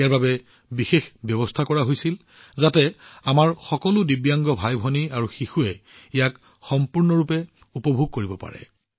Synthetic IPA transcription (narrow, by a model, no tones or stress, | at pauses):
ijaɹbabɛ | bixexbjɔbɔstʰakɔɹaɦojsil | zatɛamaɹxɔkɔlʊdibjaŋɡɔbʱajbʱɔniaɹuxixuɛijak | xɔmpuɹnɔɹupɛ | upɔbʱuɡ̚koɹibɔpa̰ɹɛ̰